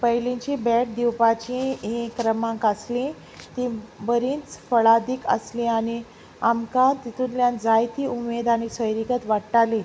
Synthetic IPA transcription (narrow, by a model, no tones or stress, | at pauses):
pəɦlĩɲt͡ɕibɛʈ̚d̪iwpat͡ɕĩẽkːɾəmãkaslĩ | t̪ĩbəɾiːt͡sfəɭad̪ikə̰slĩaɽ̃i | amkat̪it̪ʰunljand͡zajt̪iːumed̪añisəjɾikət̪ʋaɽʈalĩ